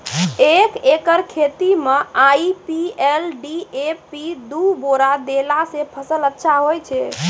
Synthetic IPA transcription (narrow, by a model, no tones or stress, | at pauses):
ekekəɾkʰet̪imeʔaipielɖiepid̪uboɾad̪elasepʰəsələtːʃʰaɦojt͡ʃʰɛ